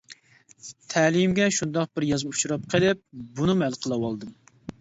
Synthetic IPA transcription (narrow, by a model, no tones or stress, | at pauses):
t̪ʰɛlimɡʲɛʃund̪ɑq̚bɪɾjɑzmɨu̥t͡ʃuɾɑp̚qʰəlɪp̚bunɨmælˠqʰəlˠɑwɑlˠd̪ɨm